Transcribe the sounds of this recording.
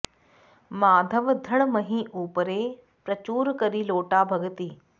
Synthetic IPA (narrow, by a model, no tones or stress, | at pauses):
maːd̪ʱəʋd̪ʱɐɽ̃mɐɦĩʔuːpəɾe | pɾɐt͡ɕuːɾkɐɾiloːʈabʱɐɡət̪iː